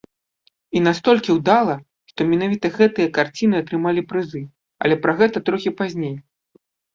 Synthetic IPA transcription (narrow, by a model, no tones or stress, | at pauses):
in̪ast̪ɔlʲkʲiwd̪alˠɐ | ʂt̪ɔmʲɛnavʲit̪ɐɣɛt̪ɨjɐkart͡sʲinɨɐt̪ɾɨmalʲipɾɨzɨ | ɐ̰lʲɛpɾɐɣɛt̪ɐt̪ɾɔxʲipazʲnʲej